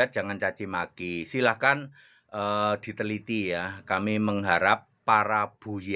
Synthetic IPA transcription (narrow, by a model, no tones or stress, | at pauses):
at̪̚dd͡ʒ̥a̤ŋant͡ʃat͡ʃimakisilahkan | ʔəd̪̥i̤t̪əlit̪ijakamiməŋɦaɾapːaɾab̥ṳj